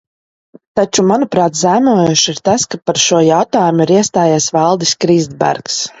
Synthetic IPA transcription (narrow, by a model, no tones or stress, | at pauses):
t̪at͡ʃumanupɾaːt̪zæmuɔjuʃiɾt̪askapaɾʃuɔjawt̪aːjumuiɾiɛst̪aːjasvalˠd̪iskɾiːzd̪bæ̰ɾks